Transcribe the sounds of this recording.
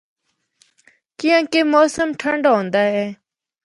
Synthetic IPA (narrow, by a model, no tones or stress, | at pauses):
kijãːkeːmoːsəmʈʰəɳɖɦõːnd̪aːɦɛː